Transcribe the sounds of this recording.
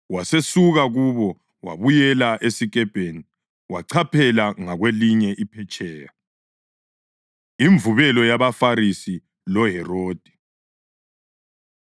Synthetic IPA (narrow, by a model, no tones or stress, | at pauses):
wasesuɣaɣuβɔ | wa̰βujɛlaʔesikɛb̥ʱeni | waǀʰapʰɛlaŋaɣweliɲɛʔipʰɛt͡ʃʼɛːja | iɱvuβɛlɔjaβafaɾisi | lɔɦɛroːd̥ʱɛ